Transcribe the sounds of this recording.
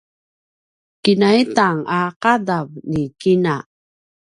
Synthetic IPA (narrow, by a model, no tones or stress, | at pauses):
kinaitaŋaqadavnikina